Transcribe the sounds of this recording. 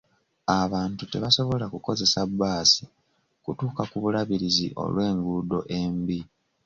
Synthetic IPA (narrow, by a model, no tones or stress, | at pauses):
aβaːntute̞βaso̞βo̞lakuko̞ze̞sabːaːsi̥ | kutuːkakuβulaβiɾizḭʔo̞̰lwe̞ːŋɡudo̞ʔe̞mbi